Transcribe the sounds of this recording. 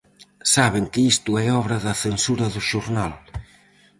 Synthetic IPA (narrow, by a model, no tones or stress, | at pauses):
saβ̞eŋkeist̪uɛɔβɾɐðaθensuɾɐðuʃuɾnal